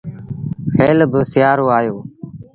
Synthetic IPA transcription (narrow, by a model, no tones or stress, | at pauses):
xʰeːlbəsɪjaːɾoːaːjoː